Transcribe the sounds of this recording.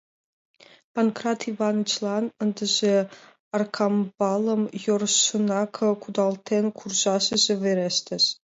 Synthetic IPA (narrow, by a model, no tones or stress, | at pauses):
pankrat̪ʰivɑnɨt͡ɕʰlˠɑnənd̪əʑe | ɑrkʰɑmbɑlˠəmjorunɑkʰəkʰud̪ɑlˠt̪ʰenkʰurʑɑʃəzeveɾest̪ʰeʃ